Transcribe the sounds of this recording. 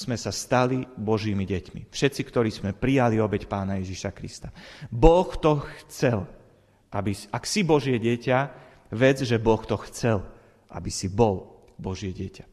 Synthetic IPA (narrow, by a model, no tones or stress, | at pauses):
z̥mɛsast̪alibɔʒiːmiɟɛcmḭfʃɛt̪t͡sikt̪ɔɾiːzmɛpɾijaliɔbɛcpaːnajɛʒiʃakɾḭst̪abɔxt̪ɔxt͡sɛl | ʔabisaksibɔʒɪɛɟɛca | ʋɛd͡zʒɛbɔxt̪ɔxt͡sɛl | ʔa̰bisibɔl | bɔʒɪɛɟɛcḁ